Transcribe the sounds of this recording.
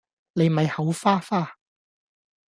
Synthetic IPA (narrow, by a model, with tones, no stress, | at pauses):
ne˨jm˨ɐ˨jhɐ˨˥wfaː˥faː˥